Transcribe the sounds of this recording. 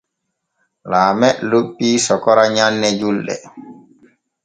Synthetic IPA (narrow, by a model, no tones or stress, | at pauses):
laːmɛʔloɓːiːsɔkɔɾaɲanːɛd͡ʒulɗɛ̰